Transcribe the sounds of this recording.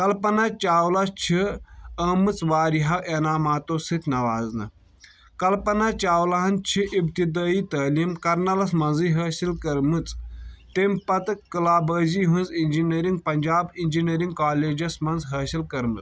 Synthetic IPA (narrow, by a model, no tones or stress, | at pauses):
kɐlpɐnɐt͡ʃaːwlɐst͡ʃʰiɐːmɨt͡sʋaːɾiɦɐʔenaːmaːt̪oːsɨt̪ʲʰnɐʋaːznɨ̰ | kɐlpɐnɐt͡ʃaːwlɐɦɐnt͡ʃʰiʔibt̪id̪aːiːt̪ɐːliːmkɐɾnɐlɐsmɐnziːɦɐːsilkɐɾmɨt͡st̪empɐt̪ɨkɨlaːbəːziːɦũnzinʲd͡ʒinɐɾiŋɡ̚pɐnʲd͡ʒaːbind͡ʒinɐɾiŋɡkaːleːd͡ʒɐsmɐnzɦɐːsilkɐɾmɨt͡s